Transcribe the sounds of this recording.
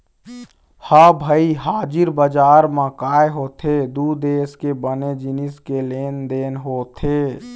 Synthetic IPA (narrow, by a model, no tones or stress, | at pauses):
habʱəiɦaːd͡ʒɪɾbəd͡ʒaːɾmãkaːjeɦot̪ʰed̪ud̪eːskebəned͡ʒiniskeleːnd̪enɦoːt̪ʰe